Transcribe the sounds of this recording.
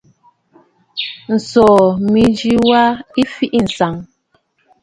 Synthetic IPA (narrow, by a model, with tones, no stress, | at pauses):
n̩˨sɔː˨mi˨d͡ʒi˦wa˦i˦fi˦ʔi˦˨n̩˨sa˨ŋ